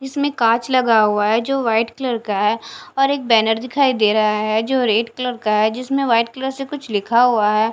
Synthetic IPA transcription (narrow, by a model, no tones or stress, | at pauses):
d͡ʒɪsmẽkãːt͡ʃlɐɡaɦʊaɦɛd͡ʒoːʋaːɪʈkləɾkaɦɛːɔːɾeːk̚bɛːnəɾd̪ɪkʰaːid̪eːɾaɦaɦɛd͡ʒoːɾeːʈkləɾkaɦɛd͡ʒɪsmẽʋaːɪʈkləɾsekʊt͡ʃʰlɪkʰaɦuaɦɛː